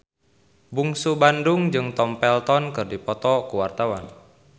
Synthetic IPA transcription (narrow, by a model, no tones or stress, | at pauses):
buŋsubandʊŋd͡ʒɨŋt̪ɔmpɛlt̪ɔnkɨrdipɔt̪ɔkuwart̪awan